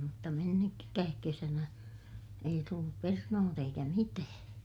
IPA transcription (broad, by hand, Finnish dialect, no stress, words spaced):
mutːɑ menːyk kæːk kesænæ ei tulːup pernoːt eikæ mitæː